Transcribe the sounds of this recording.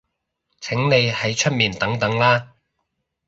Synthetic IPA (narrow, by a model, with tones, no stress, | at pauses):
t͡sʰɪ˨˥ŋne˨˧jhɐ˨˥jt͡ʃʰɵ˥t̚miː˨nt̪ɐ˨˥ŋt̪ɐ˨˥ŋlaː˥